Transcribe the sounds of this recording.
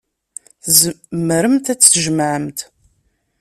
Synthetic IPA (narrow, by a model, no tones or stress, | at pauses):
θzmːəɾəmt̪æt͡sːʒəmʕəmt̪